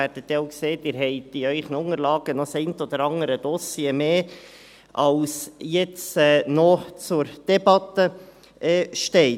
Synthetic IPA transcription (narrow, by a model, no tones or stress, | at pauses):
æɾd̥ət̪dɛoʊkseːdɪɾɦɛɪd̥iœʏχənʊŋəɾlɑːɡ̥ənɔsɛɪnt̪ɔd̪əɾɑŋəɾəd̥̪ɔsjiemeː | ʔɑlsjɛt͡sɛːnɔt͡sʊɾd̥ɛbɑt̪ə | ʔɛʃtɛɪ